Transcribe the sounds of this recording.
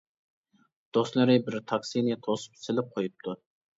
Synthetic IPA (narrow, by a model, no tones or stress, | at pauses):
d̪̥oslˠɨɾɪbɪɾt̪ʰɑksinit̪ʰosɨ̥psɪlɪp̚qʰojup̚t̪ʰu